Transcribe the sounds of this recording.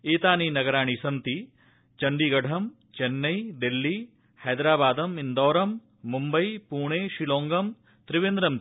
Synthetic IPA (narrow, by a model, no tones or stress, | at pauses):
eːt̪aːninɐɡɐɾaːɳ̃isɐnt̪i | t͡ʃɐɳɖiɡɐɽʰʱɐm | t͡ʃenːɐjd̪ilːi | hɐjd̪ɾaːbaːd̪ɐmind̪ɔːɾɐmː | umbɐjpuːɳeːʃiloːŋɡɐm | t̪ɾɪʋend̪ɾɐm